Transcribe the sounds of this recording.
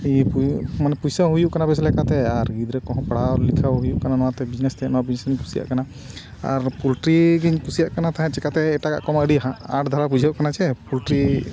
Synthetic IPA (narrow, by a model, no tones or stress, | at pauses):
ipumanɛpujsaɦujuʔkanabɛs̬lɛkat̪ɛaɾɡid̪ɾɛkɔɦɔ̃paɽ̤alikʰaɦujuʔkananɔwat̪ɛbid͡ʒnɛst̪ɛɛnɔwabid͡ʒnesɡiɲkʰu̥sija̰ʔkana | a̰ɾpulʈɾiɡiɲkusijaʔkanat̪aɦɛ̃t͡ʃɛkat̪ɛːʈaka̰ʔkɔməɽiaaʈʰd̪ʱaɾabud͡ʒʱaʔkanat͡ʃʰɛpulʈɾi